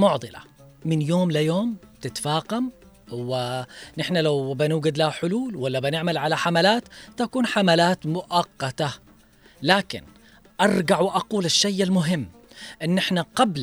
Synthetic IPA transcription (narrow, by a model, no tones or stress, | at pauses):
mʊʕd̪ˤɨla̰ | mɪnjoːmlajoːmt̪ɪt̪faːqam | wɪnɪħnalawbɪnuːɡad̪lahħʊluːlwalːabɪnɪʕmalʕalaħamalaːt̪t̪ːakuːnħamalaːt̪mʊʔɑqːɑt̪a | laːkɪ̰n | ʔɑɾˤɡaʕwɪʔɑquːlaʃːajːalmʊɦɪmː | ʔɪnːʔɪħnaqɑbl